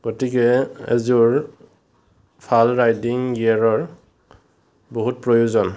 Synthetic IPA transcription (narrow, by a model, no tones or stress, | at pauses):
ɡ̥otikɛɛ̰zuɹ | pʰalɹajdiŋjiaɹɔɹ | boɦut̚pɹojuzɔn